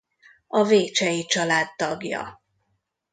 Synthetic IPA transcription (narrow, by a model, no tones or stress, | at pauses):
ɒveːt͡ʃɛjit͡ʃɒlaːd̪t̪ɒɡjɒ̰